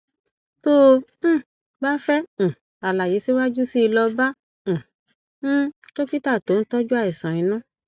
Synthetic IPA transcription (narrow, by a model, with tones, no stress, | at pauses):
tõ˦˨ | ba˦fɛ̃˦˨ | a˨la˨je˨˦si˦wa˦d͡ʒu˦si˦i˧lɔ˧bã˦˨ | ñ̩˦to˦ki˦ta˦˨to˨˦n̩˦tɔ˦d͡ʒu˦a˧i˨sã˨ĩ˨˧˦nũ˦